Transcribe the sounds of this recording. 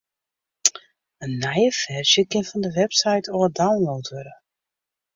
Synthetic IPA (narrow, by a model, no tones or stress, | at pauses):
ənːɛjəfɛrʃjəkɪnfɔndəʋɛpsajtʰodawnlowtʰʋøɾə